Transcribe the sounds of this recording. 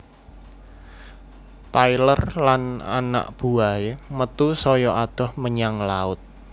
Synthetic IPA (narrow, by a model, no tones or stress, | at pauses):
t̪ailərlana̰na̰ʔb̥uaemət̪usɔjɔʔad̪̥ɔ̤hməɲaŋlaʊt̪̚